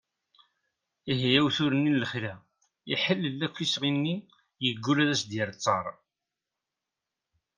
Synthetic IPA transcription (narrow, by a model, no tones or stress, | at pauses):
iɦijæwθʊɾənːinləχlæ | iħəlːlːækʷːisʁinːi | jəɡːulæðæsd̪jəɾt͡sˤːɑɾˤ